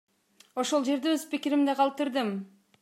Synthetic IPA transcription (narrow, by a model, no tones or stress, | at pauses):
o̞ʃo̞lˠd͡ʒe̞ɾd̪eøzpikiɾimd̪eqʰɑlˠt̪ɯɾd̪ɯm